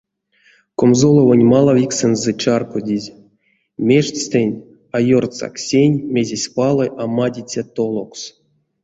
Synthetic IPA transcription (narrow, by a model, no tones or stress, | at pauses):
komzolˠovonʲmalˠavʲiksenzɛt͡ʃarkodʲizʲ | mʲeʂtʲt͡sʲt̪ʲenʲ | ajort̪t͡sa̰ksʲenʲmʲezʲesʲpalˠɨʔamadʲit͡sʲat̪olˠoks